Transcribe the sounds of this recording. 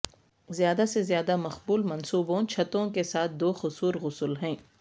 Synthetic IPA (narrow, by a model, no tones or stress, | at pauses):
zjaːd̪asezjaːd̪amɐxbuːlmɐnsuːbõt͡ʃʰɐt̪õkesaːt̪̚ʰd̪oːxʊsuːɾɣʊsəlɦɛ̃ː